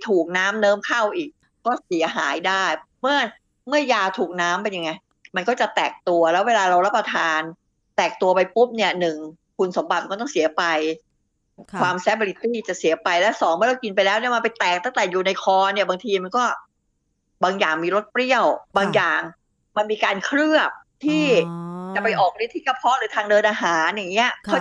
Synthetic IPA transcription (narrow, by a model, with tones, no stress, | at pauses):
jt̪ʰuː˨˩k̚naː˦˥mnɤː˦˥mkʰa˥˩wʔiː˨˩k̚ | kɔː˥˩si˨˩˦ɐɦaː˩˦jdaː˥˩jmɯ˥˩ɐ | mɯ˥˩ɐjaː˧t̪ʰuː˨˩k̚naː˦˥mpa˧nja˧ŋːa˧˥j | ma˧nkɔː˥˩t͡ɕa˨˩t̪ɛː˨˩k̚t̪u˧ɐlɛː˦˥weː˧laː˧ɾa˧wɾa˦˥p̚ːɾa˧t̪ʰaː˧n | t̪ɛː˨˩k̚t̪u˧ɐpa˧jpu˦˥p̚ni˥˩ɐnɯ˨˩ŋ | kʰu˧nso˩˦mba˨˩t̪̚kɔː˥˩t̪ɔ˥˩ŋsi˨˩˦ɐpa˧j | kʰwaː˧msɛː˦˥p̚a˧li˦˥t̪iː˥˩t͡ɕa˨˩si˨˩˦ɐpa˧jlɛ˦˥wsɔː˩˦ŋmaː˧˥˩la˧wki˧npa˧jlɛː˦˥wni˥˩ma˧npa˧jt̪ɛː˨˩k̚t̪a˥˩ŋt̪ɛː˨˩juː˨˩na˧jkʰɔː˧ni˥˩ɐbaː˧ŋt̪ʰiː˧ma˧nkɔː˥˩ | baː˧ŋjaː˨˩ŋmiː˧ɾo˦˥t̪̚pli˥˩əwbaː˧ŋjaː˨˩ŋ | ma˧nmiː˧kaː˧nkʰɾɯ˥˩əp̚t̪ʰiː˥˩t͡ɕa˨˩pa˧jʔɔː˨˩k̚li˦˥t̪ʰiː˦˥ka˧˩pʰɔ˦˥ɾɯː˩˦t̪ʰaː˧ŋdɤː˧nʔaː˧ɦaː˩˦nja˨˩ŋːi˦˥ɐʔkʰa˥˩